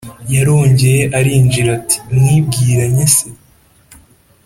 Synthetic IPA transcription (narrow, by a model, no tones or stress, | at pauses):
jaɾo̞ːɲɟe̞je̞ʔaɾiːɲd͡ʒiɾati̥mŋiːb̚ɡiːɾaɲese